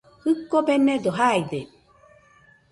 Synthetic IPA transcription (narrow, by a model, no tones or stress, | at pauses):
hɯkːobened̪oɦajd̪e